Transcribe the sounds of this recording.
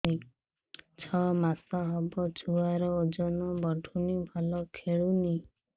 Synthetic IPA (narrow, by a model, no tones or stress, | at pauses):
t͡ʃʰɔmasɔɦɔbɔt͡ʃʰuaɾɔod͡ʒɔnɔbɔɖʰʱunibʱalɔkʰeɭuni